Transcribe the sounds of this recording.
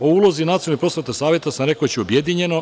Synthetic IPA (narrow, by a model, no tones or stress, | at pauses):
o̞uːlˠo̞zinat̪ijolːipɾo̞sʋet̪asaːʋje̞t̪asamɾe̞kot͡ɕiobje̞d̪iɲe̞no̞